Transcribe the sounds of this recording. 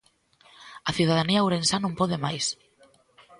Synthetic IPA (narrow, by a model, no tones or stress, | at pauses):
aθjuð̞aðaniawɾensanõmpoðemajs